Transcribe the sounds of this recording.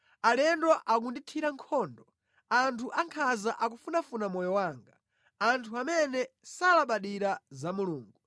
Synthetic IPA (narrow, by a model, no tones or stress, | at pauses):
alɛndwɔʔak̬unditʰiɾaŋkʰɔːndɔ | antʰuʔaŋkʰazaʔak̬ufunafunamɔjɔwaːŋɡa | antʰuamɛnɛsalaɓaɗiɾazamuluːŋɡu